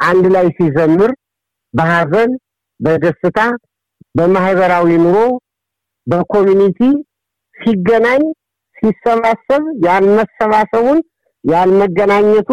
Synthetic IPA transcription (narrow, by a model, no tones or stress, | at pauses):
ʔand̪lajsizəmːɨɾ | bəhazən | bəɡ̪əsɨt̪ʰa | bəmahβəɾawinuɾo̞ | bəkʰo̞mjunit̪ʰi | siɡːənaɲː | sisːəβasəβjalməsːəβasəβun | jalməɡːənaɲːɛt̪ʰu